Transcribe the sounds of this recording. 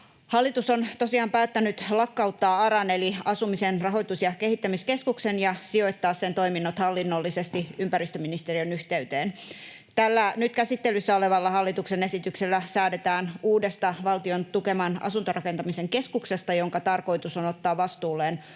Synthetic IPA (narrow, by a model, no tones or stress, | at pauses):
hɑlːit̪usont̪osiɑːmpæːt̪ːænyt̪lɑkːɑut̪ːɑːɑɾɑneliɑsumisenrɑɦo̞it̪usjɑke̞hit̪ːæmiske̞skuksenjɑsio̞ijt̪ːɑːssent̪o̞iminːot̪hɑlːinːolːisest̪iympæɾist̪øminist̪eriønyht̪eyt̪eːn | t̪ælːænyt̪kæsit̪ːelysːæoleʋɑlːɑhɑlːit̪uksene̞sit̪ykselːæsæːdet̪æːnuːdest̪ɑʋɑlt̪iont̪ukemɑnɑ̰sunt̪orɑke̞nt̪ɑmiseŋke̞skukse̞st̪ɑjo̞ŋkɑt̪ɑrko̞it̪usonot̪ːɑːʋʋɑst̪uːlːeːn